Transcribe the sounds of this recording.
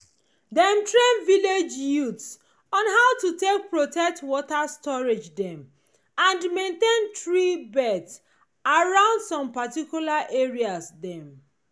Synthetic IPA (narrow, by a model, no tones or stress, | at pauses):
dɛ̃mtɹẽnviled͡ʒjuts | ɔ̃nɦaʊtutek̚pɹotɛk̚twɔtastɔɹed͡ʒdɛ̃m | ãndmẽntẽntɹibɛds | aɹãʊ̃ndsɔ̃mpatikjulaʔeɹiasdɛ̃m